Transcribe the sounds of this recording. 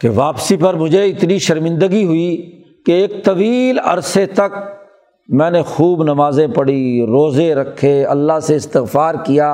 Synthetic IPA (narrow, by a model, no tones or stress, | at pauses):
keʋaːpsipɐɾmʊd͡ʒʱeɪt̪niʃɐɾmɪ̃nd̪əɡiɦʊi | keːk̚t̪ɐʋiːlɐ̰ɾset̪ɐk̚ | mɛ̃ːnexuːbnɐmaːzẽpɐɽiɾoːzeɾɐkʰːeɐlːaɦseɪst̪ɪɣfaːɾkijaː